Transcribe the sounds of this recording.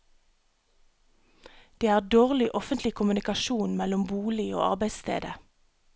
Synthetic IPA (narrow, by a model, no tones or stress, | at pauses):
d̪̥eːæːʁd̪oːʁlɪʔɔfənt̪lɪkʰʊmʉnɪkɑʃuːnmɛlʊmbuːlɪo̰ːɑ̰ʁbæɪst̪ʰḛːd̪ə